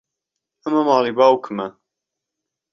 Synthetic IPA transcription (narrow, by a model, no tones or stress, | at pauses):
ɐmɐmɑːlibaːwkʰɨmɐ